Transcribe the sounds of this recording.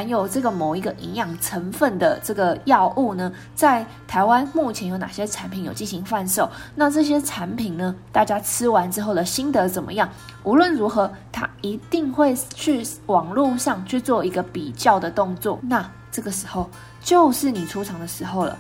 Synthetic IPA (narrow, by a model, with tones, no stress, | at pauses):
a˧˥njo˨˩ʊʈ͡ʂɤ˥˩ɡə˩mo˨˩ʊi˧˥ɡə˧ʔi˧˥ŋjɑ˨˩ŋʈ͡ʂʰə˧˥ŋfə˥˩nd̪ə˩ʈ͡ʂɤ˥˩ɡə˩jɑ˥˧ʊʔu˥˩nə˩ | t͡sa˥˩ɪ | t̪ʰa˧˥ɪwa˦nmu˥˩t͡ɕʰjɛ˧˥njo˧˥ʊna̰˨˩ɕjɛ˥ʈ͡ʂʰa˧˥npʰi˧˥njo˨˩ʊt͡ɕi˥˩nɕi˧˥ŋfa˥˧nʂo˥˩ʊna˥˧ʈ͡ʂɤ˥˩ɕ̬jɛ˥ʈ͡ʂʰa˧˥npʰi˨˩nnə˩t̪a˥˩t͡ɕja˥ʈ͡ʂʰɻ̩˥wa˧˦nʈ͡ʂɻ̩˥xo˥˩ʊd̪ə˩ɕi˥nd̪ɤ˧˦t͡sə˨˩nmə̰˦jɑ˥˩ŋ | u˧˥lwə˥˩nɻu˧˥xɤ˧˦t̪ʰa̰˥i˧˥t̪i˥˧ŋxwe˥˧ɪt͡ɕʰy˥˩wɑ˨˩ŋlu˥˧ʂɑ˥˧ŋt͡ɕʰy˥˧t͡swɔ˥˩i˧˦˥ɡə˧pi˨˩t͡ɕjɑ˥˩ʊd̪ə˩t̪o˥˧ŋt͡swɔ˥˩na˥˩ | ʈ͡ʂɤ˥˩ɡə˩ʂɻ̩˧˥xo˥˧˩ʊ | t͡ɕjo˥˧ʊʂɻ̩˥˩ni˨˩ʈ͡ʂʰu˥ʈ͡ʂʰɑ˧˥ŋd̪ə˧ʂɻ̩˧˥xo˥˩ʊlə̰˨˩